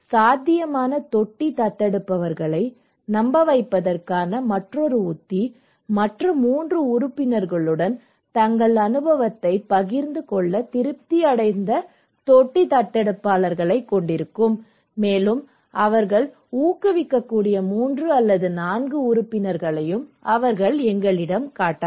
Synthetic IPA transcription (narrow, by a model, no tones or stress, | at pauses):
saːd̪ʱːɪjɐmaːnɐt̪ɔʈːit̪ɐʈːɛɽɯpːɐʋɐɾɣɐɭɐɪ | nɐmbɐʋɐɪpːɐðɐrkaːnɐmɐʈrɔɾɯʊt̪ːi | mɐʈrɯmːuːndrɯʊɾʊpːɪnɐɾɣɐɭɯɽɐn | t̪ɐŋɡɐɭɐnɯbɐʋɐt̪ːɐɪpɐɣɪɾnd̪ɯkɔɭːɐt̪ɪɾɯp̚t̪iɐɽɐɪnd̪ɐ | t̪oʈːit̪ɐʈːɛɽɐpːaːlɐɾɣɐɭɐɪkːɔɳɖɪɾɯkːɯmː | eːlɯm | ʔɐʋɐɾɣɐɭ | uːkːɯʋɪkːɐkːuːɽɪjɐmuːndrɯɐlːɐðɯnaːnɡɯʊɾɯpːɪnɐɾɣɐɭɐjɯmɐʋɐɾɣɐɭɛŋɡɐɭɪɽɐmkaːʈːaːɾ